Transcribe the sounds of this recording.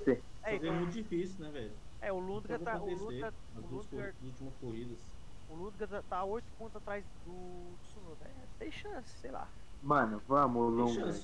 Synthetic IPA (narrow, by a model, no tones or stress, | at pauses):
se | ɛzɛmũt̪ʊd͡ʒifisiʊnɛvɛʎʊɛʊlũd̪ɡɡɐɐaõt̪elsũeɐ | ɐzlũd̪ɡɐzut͡ʃimɐskohid̪ɐs | ʊlũd̪ɡɐt̪at̪aojt̪ʊ̥põnt̪ʊzat̪ɾajzd̪ʊd̪ʊsunod̪a | t̪ẽj̃ʃɐ̃sɪ̥sejla̰ | mɐ̃nʊvɐ̃mʊlũɡ̃